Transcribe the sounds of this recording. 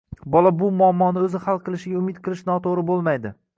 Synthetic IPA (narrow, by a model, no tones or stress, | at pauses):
bɒlˠabʊmʊɒmːɒnɪɵzɪhalˠqʰɨlˠɪʃɪɡʲaʊmɪt̪̚qʰɨlˠɪʃn̪ɒt̪ʰoʁɾɪbolˠmajd̪ɪ